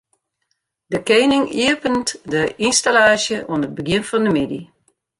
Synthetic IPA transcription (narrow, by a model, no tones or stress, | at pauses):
dəkeːnɪŋiəpəntdəinstalaːʃjəʔuənəbəɡjɪənfɔndəmɪdi